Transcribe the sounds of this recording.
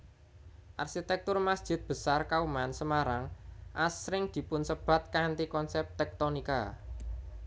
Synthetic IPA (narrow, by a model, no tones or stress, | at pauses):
ʔa̰rxit̪ɛk̚t̪ʊrmasd̥ʒ̥ɪ̤t̪̚b̥ə̤sarkaumansəmaɾaŋʔasɾɪŋd̪̥i̤pʊnsəb̥a̤t̪̚kant̪ikɔnsɛp̚t̪ɛk̚t̪onika̰